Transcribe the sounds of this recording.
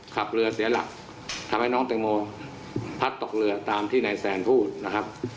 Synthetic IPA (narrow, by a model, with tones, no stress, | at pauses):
kʰa˨˩p̚ɾɯ˧ɐsiː˨˦ɐla̰˨˩k̚ | t̪ʰa˧mha˥˩jnɔː˦˥ŋt̪e˧ŋmoː˧ | pʰa˦˥t̪ːo˨˩k̚lɯ˧ɐt̪aː˧mt̪ʰiː˥˩na˨˩jsɛː˨˧npʰuː˥˩t̪̚na˦˥kʰa˦˥p̚